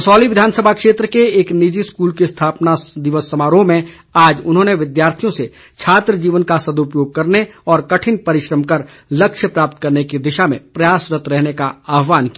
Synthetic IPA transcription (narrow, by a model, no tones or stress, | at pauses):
sɔːliʋɪd̪ʱaːnsəbʱakʃeːt̪ɾəkeeːknɪd͡ʒiskuːlkest̪ʰaːpnad̪ɪʋəsːɐmaːɾõmẽ | aːd͡ʒʊnɦõneʋɪd̪jaːɾt̪ʰijõse | t͡ʃʰaːt̪ɾəd͡ʒiːʋənkasɐd̪ʊpjoːɡ̚kɐɾneɔːɾkɐʈʰɪnpɐɾɪʃɾəmkɐɾ | lɐkʃjəpɾaːp̚t̪̚kɐɾnekid̪ɪʃamḛ̃pɾɐjaːsɾət̪ɾɛɦnekaaːɦʋaːnkijː